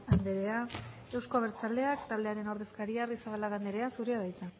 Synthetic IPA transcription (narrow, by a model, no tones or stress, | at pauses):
and̪eɾea | e̞wsko̞β̞eɾt͡sale̞akt̪aβle̞aɾe̞no̞ɾðe̞skaɾiarisaβalaɣand̪eɾe̞asuɾeaðajt͡s̪a